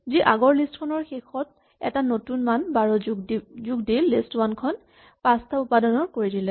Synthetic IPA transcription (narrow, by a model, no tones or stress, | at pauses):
ziʔaɡɔɹlistkʰɔnɔɹxexʰɔt̚ | ɛ̰tanotunmanbaɹɔɡzuɡdilːistwankʰɔn | pastʰaʊpadɔnɔɹkoɹidilɛ